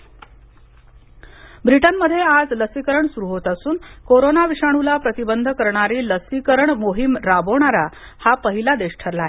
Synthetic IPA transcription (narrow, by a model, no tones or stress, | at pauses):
bɾiʈənməd̪ʱːjead͡zləsikəɾəɳsuɾuɦot̪asuːnkoɾonaʋiʂaɽ̃ulapɾət̪ibənd̪ʱkəɾɳaɾiːləsikəɾəɳmoɦimɾaboɳ̃aɾa | hapəɦilad̪eɕʈʰəɾlaɦe